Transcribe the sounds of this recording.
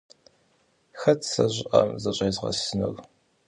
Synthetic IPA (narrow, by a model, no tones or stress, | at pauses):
xɐtʰsɐʑʷɪʔɐmzɐɕʼeːzʁɐ̰sɨnɐɣ